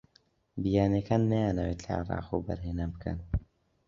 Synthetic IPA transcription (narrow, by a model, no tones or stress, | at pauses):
bijaːnekʰaːnːajaːnɐwet̪ʰla̰ʕɪ̰ɾˤɑ̰ːqṵbɐ̰ɾɦeːnabɨkʰə̰n